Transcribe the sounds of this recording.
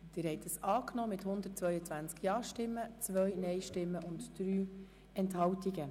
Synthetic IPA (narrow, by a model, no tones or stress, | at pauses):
d̥̪ɪːɾhɛɪtəsɑːknɔːmɪthʊnd̪ətt͡sʋœʏət͡sʋænt͡skjɑːʃtɪmːət͡sʋœjnɛɪʃtɪmːəʔʊntd̥ɾyː | ɛnthɑwtiɡə